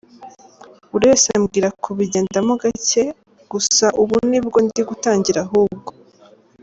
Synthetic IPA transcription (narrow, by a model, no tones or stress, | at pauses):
uɾesemɡiːɾakʰuβiɟeːndamuɡace | ɡ̥usaʔuβunibɡo̞niɡutaːɲɟiɾaɦuːb̚ɡo